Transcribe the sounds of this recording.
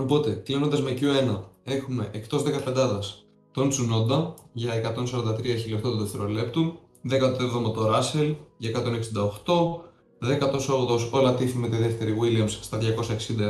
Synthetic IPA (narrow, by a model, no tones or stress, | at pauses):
opo̞t̪e̞klinond̪ɐzmecue̞nɐe̞xume̞ʔekt̪o̞zðe̞kɐpend̪ɐðɐs | t̪o̞nt͡suno̞nd̪ɐʝɐekɐt̪o̞nsɐɾod̪ɐt̪ɾiɐçilokt̪ot̪uðeft̪e̞ɾo̞le̞pt̪u | ðe̞kɐt̪oevðo̞mɐt̪o̞ɾɐse̞lʝɐekɐt̪o̞ne̞ksind̪ɐo̞xt̪o̞ | ðekɐt̪o̞sooðo̞so̞lɐt̪ifime̞t̪iðe̞ft̪e̞ɾiɣiliɐmsst̪ɐðʝɐko̞sɐeksind̪ɐ